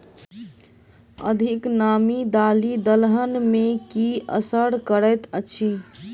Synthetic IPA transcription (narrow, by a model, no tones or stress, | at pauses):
ə̰d̪ʱiknamid̪alid̪əlɦənmekiə̰səɽkəɾət̪ət͡ʃʰi